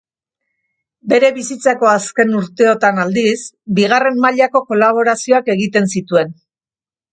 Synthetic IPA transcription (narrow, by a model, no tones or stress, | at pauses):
be̞ɾe̞βisit͡sako̞aske̞nuɾt̪e̞o̞t̪anald̪is | biɣare̞mmaʎako̞ko̞laβ̞o̞ɾasio̞ake̞ɣit̪e̞nsit̪ue̞n